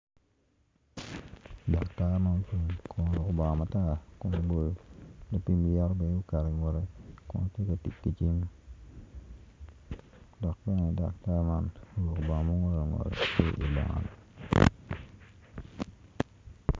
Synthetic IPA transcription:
da˨kta˦ma˦nt͡ʃi˨nkʰo˨n˨lo˨ko˨ba˨ŋɔ˨ma˨ta˦˨kɔ˦no˨bo˨lo˨lo˨pi˦mi˨ja˦ɾɔ˦bɛ˨n˦ɡu˦ka˨ɾe˨ŋo˨ɾe˦kɔ̰˦tje˦ka˨ti˨kkːi˦t͡ʃi˦ŋ | dɔ˨k̚bɛ˦nɛ˨da̰˨k̚ta˦ma˦no˨˦lo˨ko˨ba˨ɔ˨mo˦ŋo˦ɾo˨ŋo̰˨ɾḛ˨te˦ʔḭ˨ba̰˨ŋa̰˨n˨

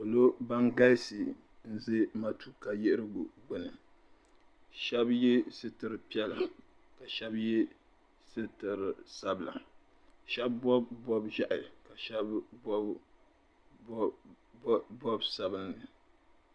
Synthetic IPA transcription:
ko˨lo˦ba˦ŋɡa˦lsi˨ | n̩˦ze˦ma˦tu˦ka˨jɪ˦ʔɾɨ˦ɡʊ˨ɡ͡bʊ˨nɨ˨ | ʃɛ˦bjɛ˦sɨ˦tɨ˨ɾɨ˨pi˦ɛ˦la˨ | ka˨ʃɛ˦bjɛ˦ | sɨ˦tɨ˨ɾɨ˨sa˦bla̰˨ | ʃɛ˦bbɔ˦bbɔ˦bʒa˦ʔa˨ɨ˨ka˨ʃɛ˦bbɔ˦ | bɔ˦bsa˨bɨ˦nːɨ˨

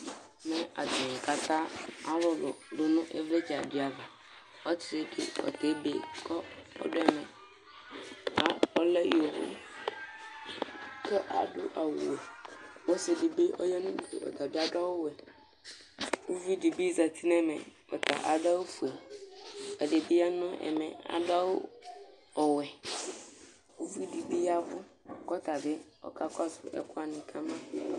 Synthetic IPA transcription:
mɛ̃˦a̰˨t̪ɪ˨ka˨t̪ã˦a˦wɔ˦lɔ˨ɖʊ˦nʊ̃˦ʔɛ˦vɾɛ˦t͡ʃa˨dɪ˨˦a˨va˨ | ɔ˦tʰe˦dɪ̰˦ɔ̰˨t̪e˦be˨kʰɔ˦ɔ̰˦dʊ˦ɛ˦mɛ̰̃˨ | a˨ɔ˦lɛ˦o˨wʊ̰˦ | kʰɛ˦ʔa̰˨ɖʊ˦ʔa˨wṵ˨wɛ˨wɔ˦se˨di˨be˦ʔɔ̰˦ja˦nũ˦bi˨kḛ˨ɔ̰˨t̪a˨bɪ˦a˦da˦wo˦wɛ˨ | wo˦vi˦di˨bi˦za˨t̪ʰi˦nɛ̃˦mɛ̰̃˨kɔ˨t̪a̰˨ʔa˨da˦wo˦fu˨e˨ | ɛ˨de˨bi˦a˦nʊ̃˦ɛ̰˨mɛ̰̃˨a̰˨da˦wo˦ | ɔ˨wɛ˨ | wo˦vi˦di˨bi˦a˦vʊ˦kɔ˦t̪a˨bɪ˦ | ɔ̰˦ka˦ka˦sʊ˨ɛ̰˨kʰʊ˦a˨nɪ̃˨kʰa˦mã˦

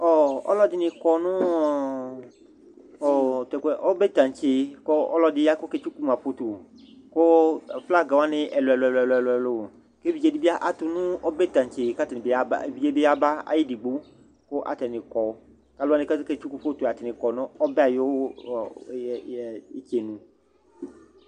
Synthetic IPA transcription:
ɔ˨ɔ̰˦lɔ˦dɪ˨nɪ̃˨kɔ˨nʊ̃˦˨ | ɔ˨t̪ɛ˨kɛ˨ʔɔ˦bɛ˦t̪ã˨t͡ʃe˨˦kɔ˦ɔ̰˦lɔ˦dɪ˨ja˦kʊ˦ke˦t͡ʃu˦ku˦m˨a˨fo˦t̪u˨ | kʊ˦˨fla˦ɡa˨wa˦nɪ̃˦ʔɛ˨lʊ˨ɛ˨lʊ˨ɛ˨lɛ˨lʊ˨ɛ˨lʊ˨ɛ˨lo˨ | ke˦vi˨d͡ʒe˦di˦bi˦a˦ʔa˨t̪ʊ˦nũ˦ɔ˦be˦t̪ã˨ɲt͡ʃe˨ka˦tɛ˨nɪ˨be˦a˦ba̰˦˨vi˦d͡ʒe˦be˦a˦ba˦a̰˨ji˦di˨ɡ͡bu˦ | kʊ˦ʔa̰˨t̪ɛ˨nɪ̃˨kɔ˨˦ | ka˦lo˦a˦nɪ̃˦ka˦ke˦t͡ʃu˦ku˦fo˦t̪u˨a˨t̪ɛ˨nɪ̃˨kɔ˨nʊ̃˦ɔ˦bɛ˦a˨jo˦w | i˦t͡ʃe˨nũ˨

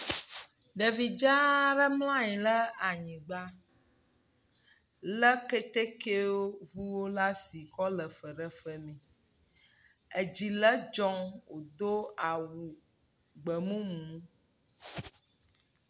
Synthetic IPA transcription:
ɖɛ˨vi˨d͡ʒa˦ɖə˦ml̃ã˦ji˨lə˦a˨ɲĩ˨ɡ͡ba˦ | lə˦kɛ˦t̪e˦ke˦o˦ɦu˦wo˦la˦si˨kɔ˦lə˨fə˨ɖɛ˦fɛ˨mĩ˨ | e˨d͡ʑi˨lə˦d͡ʒɔ˦ŋwo˨d̪o˦a˨wu˨ | ɡ͡bə˨mũ˦mũ˨˦

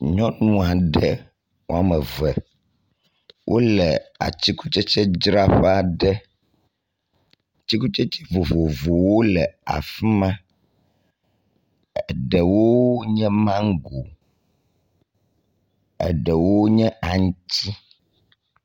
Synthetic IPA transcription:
ɲɔ̃˦nũ˦a˨ɖɛ˨ | wo̰˦a˨mɛ˨vɛ˨ | wʔo̰˦lɛ˨a̰˨t͡ɕi˦ku˦t͡ʃɛ˦t͡ʃɛ˦d͡ʒɾa˦ɸɛ˦a˨ɖɛ˦ | t͡ɕi˦ku˦t͡ʃɛ˦t͡ʃɛ˦vo˨vo˨vo˨wo˦lɛ˨a̰˨fi˦mã˦ | ɛ˨ɖɛ˨wo˦ɲɛ̃˦mã˦ŋ˦ɡo˨ | ɛ̰˨ɖɛ˨wo˦ɲɛ̃˦a˨ŋ˦t̪i˦

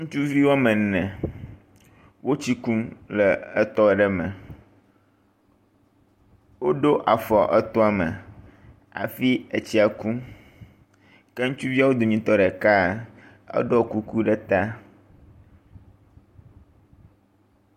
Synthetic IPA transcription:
ŋũ˦t͡ʃu˦vi˦wa˦mɛ̃˨nɛ̃˨ | wo˦t͡ɕi˦ku˦mlɛ˨ɛ˦t̪ɔ˦˨ɖɛ˦mɛ̰̃˨ | wo˦ɖo˦ʔa˨fɔ˨ʔɛ˦t̪ɔ˦a˨mɛ̰̃˨ | a̰˨fi˦e˨t͡ɕi˦a˨ku˦ | ke˦ŋũ˦t͡ʃu˦vi˦a˦wo˦d̪o˨ɲĩ˦t̪ɔ˦ɖɛ˨ka˦ | ɛ̰˦ɖɔ˦˨ku˦ku˦ɖɛ˦t̪a˦

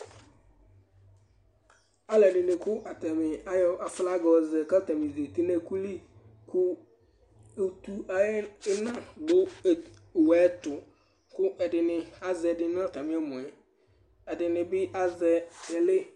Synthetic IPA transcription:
a˦lɛ˨ɖɪ˨nɪ̃˨kʊ˦ʔa˨t̪a˨mɪ˨a˦jɔ˦a˨fla˦ɡɔ˨zɛ˨ka˦t̪a˨mɪ̃˨ze˨t̪i˦nɛ˦ku˦li˦ | kʰʊ˦ | o˨t̪u˦a˨˦ɪ˦nã˦bʊ˦˨ | wɛː˦t̪ʊ˨ | kʊ˦ʔɛ˨dɪ˨nɪ̃˨a˦zɛ˨dɪ˦nʊ̃˦a˨t̪a˨mɪ̃˨˦a˦mʊ̃˨ɛ˨ | ɛ˨dɪ˨nɪ̃˨bɪ˦ʔa˦zɛ˨ɛ˨lɪ˦

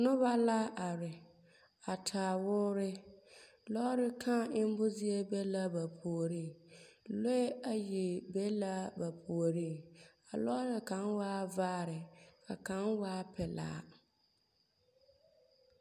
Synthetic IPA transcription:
nʊ˦βa˦la˦ʔa˨ɾɪ˨ | a˨tʰaː˨wʊ˦ɾɪ˦ | lɔ˦ɾɪ˦kʰã˦˨ʔɪ˦m˦bʊ˦zi˦e˦be˦la˦ba˨pʰu˨o˨ɾiː˦˨lo˦e˦a˨ji˨be˦la˦ba˨pʰu˨o˨ɾiː˦˨a˨lɔ˦ɾɪ˨ka˨˦nwaː˦vaː˦ɾɪ˨kʰa˨ka˨˦nwaː˦pʰɛ˨la̰ː˦˨˦

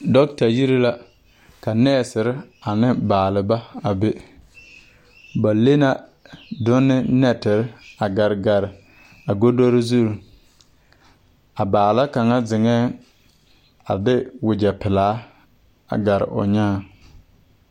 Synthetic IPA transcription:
dɔ˦k̚ta˨ji˦ɾi˦la˦ | ka˨nɛː˦˨sɪ˨ɾɪ˦a˨nɪ˦baː˨lɪ˨ba˦a˨be˦ | ba˨le˦na˦dʊ˦nːɪ˦nɛ˦tɪ˨ɾɪ˦a˨ɡa˨ɾɪ˨ɡa˨ɾɪ˨ | a˨ɡo˦do˦ɾɪ˦zu˦˨ɾ | a˨baː˨la˦ka˨ŋa˦zɪ˨ŋɛː˦ | a˨dɪ˦wɪ˨d͡ʒɛ˨pɪ˨laː˨˦ | a̰˨ɡa˨ɾɪ̰˨ʔʊ̰˨ɲaː˦˨

